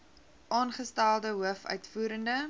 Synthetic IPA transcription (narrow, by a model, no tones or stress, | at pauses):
ʔɑːnχəstælˠdəɦuəfœ̰ɥtfuːɾəndə